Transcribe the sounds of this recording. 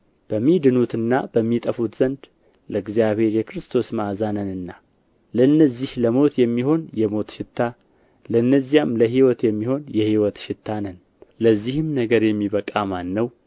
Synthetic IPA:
b̥əmːid̪ɨnut̪ɨnːa̰bəmːit̪ʼəfut̪z̥ənd̪ | ləɨɡzijaβhe̞ɾjɛkɾɨst̪ʰo̞smazanənɨnːa | ləɨnːəzːihləmo̞t̪jɛmːiho̞njɛmo̞t̪ʃɪt̪ʰːa | ləɨnːəzːijamləɦiwɔt̪jɛmːiho̞njɛhiwɔt̪ʃɪt̪ʰːanən | ləzːihɨmnəɡəɾjɛmːiβəkʼamanːəw

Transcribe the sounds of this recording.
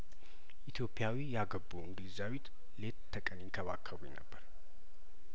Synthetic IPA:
ʔit̪ʰjo̞pʼːjawijaɡəbːuɨŋɡlizawit̪ | let̪t̪ʰːəkʼənjɪŋkʰəβakʰːəβujnə̰bːəɾ

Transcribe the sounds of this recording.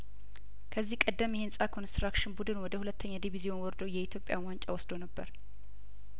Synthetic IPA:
kʰəzːihkʼəd̪ːəmjɛhensʼakʰo̞nst̪ɾakʃɪnbud̪ɨnwɔd̪əhulət̪ʰːəɲːad̪iβizijo̞nwɔɾd̪owjɛit̪ʰjo̞pʼja̰want͡ʃʼawɔsd̪onəbːə̰ɾ

